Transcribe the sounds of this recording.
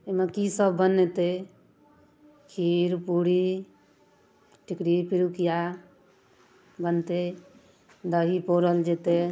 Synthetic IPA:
emekisəbʱːənːɛt̪e | kʰiɾpuɽi | ʈikɽipiɾukija | bənt̪e | d̪əɦipoɾəld͡ʒet̪e

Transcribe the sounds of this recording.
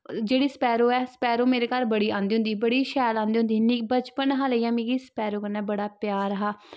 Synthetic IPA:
d͡ʒeːɽiːspɛːɾoːɛːsə̥pɛːɾoːmeːɾeːkaːlbəɽiːãːnd̪iːɦʊ̃nd̪iːbəɽiːʃɛːlãːnd̪iːɦʊ̃nd̪iːnibət͡ʃpənɦaːleiːãːmĩːɡiːspɛːɾoːkənːaɛːbəɽaːpjaːɾɦaː

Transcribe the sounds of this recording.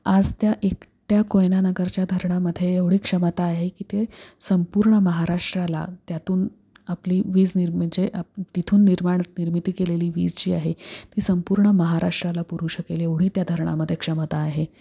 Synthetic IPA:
ad͡zt̪jaʔekʈjakojnanəɡəɾt͡ɕjad̪ʱəɾɳaməd̪ʱːjeeʋɽ̤iːkʂəmət̪aːɦekiːt̪esəmpuːɾɳəməɦaɾaʂʈɾala̰t̪jat̪uːn | apliːʋiːd͡zniɾməɳd͡ʑeʔat̪it̪ʰuːnːiɾmaɳət̪niɾmit̪iːkeleliːʋḭːd͡zt͡ɕiːaɦet̪iːsəmpuːɾɳəməɦaɾaʂʈɾalapuɾuːɕəkeleʋɽ̤iːt̪jad̪ʱəɾɳa̰məd̪ʱːjekʂəmət̪aːɦe

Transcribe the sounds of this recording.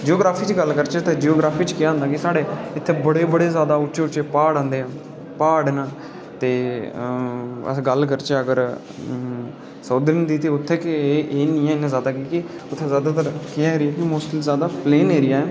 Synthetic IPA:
d͡ʒoːɡɾaːpʰiːt͡ʃɡəlkəɾt͡ʃt̪eːd͡ʒioːɡɾaːpʰiːt͡ʃkɪjaːɦənd̪aːkɪsaːɽeːɪt̪ʰːeːbəɽeːbəɽeːzjaːd̪aːʊʃeːʊt͡ʃeːpaːɽãːnd̪eːɛ̃ː | paːɽnaː | t̪eː | ə̰ɡəlkəɾt͡ʃəɡəɾ | səːd̪ɾɪnd̪iːt̪eːʊt̪ʰːeːkːʔeːnĩːɛːnãːzjaːd̪aːkiːkɪʊt̪ʰːeːzjaːd̪aːt̪əɾkɪaːeːɾiaːkimʊsʈəlzjaːd̪aːpleːneːɾɪjaːɛː

